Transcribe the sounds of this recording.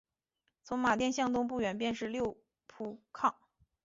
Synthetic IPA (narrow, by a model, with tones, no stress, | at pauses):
t͡sʰʊ˧˥ŋma˨˩t̪jɛ˥˧nɕjɑ˥˧ŋt̪ʊ˥˧ŋp̬u˥˩ɥɛ˨˩np̬jɛ˥˧nʂɻ̩˥˧ljo˥˧ʊ | pʰu˥˩kʰɑ˥˩ŋ